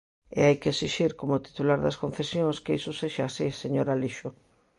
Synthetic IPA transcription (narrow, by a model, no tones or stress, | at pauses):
ḛajkeesiʃiɾkomʊt̪i̥t̪ulaɾðɐskonθesjõŋskeisʊseʃaːsiseɲoɾaliʃʊ